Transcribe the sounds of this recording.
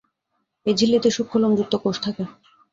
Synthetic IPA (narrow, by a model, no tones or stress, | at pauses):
ed͡ʑʱilːit̪eʃukʰːolomd͡ʑuk̚t̪ːokoʃt̪ʰake